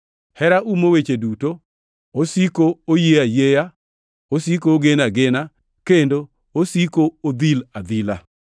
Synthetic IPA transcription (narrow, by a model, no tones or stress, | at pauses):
hɛɾaumowet͡ʃeduto | osikoojeajeja | osikoːɡenaɡɪna | kendo | osikood̪ilad̪ila̰